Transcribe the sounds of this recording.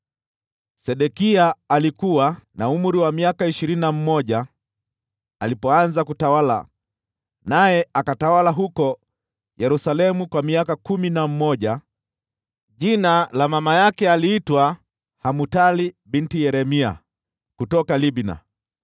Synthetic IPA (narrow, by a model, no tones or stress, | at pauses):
sɛɗɛkiaːlikuwanaum̩ɾiwamiakaiʃiɾinam̩mɔʄa | alipɔanzakutawala̰ | najɛakatawalaɦukɔ | jɛɾusalɛmukwamiakakuminam̩mɔʄa | ʄinalamamajakɛaliːtwa | hamutalibintijɛɾɛmia̰ | kutɔkalibna̰